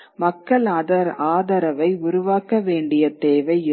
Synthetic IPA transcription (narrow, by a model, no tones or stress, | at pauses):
mɐkːɐɭaːðɐɾaːðɐɾɐʋɐɪʊɾʊʋaːkɐʋeːɳɖɪjɐt̪eːʋɐɪɪ